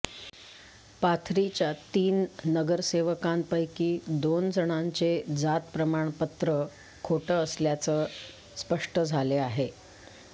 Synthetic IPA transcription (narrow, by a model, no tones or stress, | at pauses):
pat̪ʰɾit͡ɕjat̪iːnnəɡəɾseʋəkãmpəjkiːd̪ond͡zʱəɳ̃aɲt͡sed͡zat̪pɾəmaɳpət̪ɾə | kʰoʈəəsljat͡sə | spəʂʈəd͡zʱaleaɦe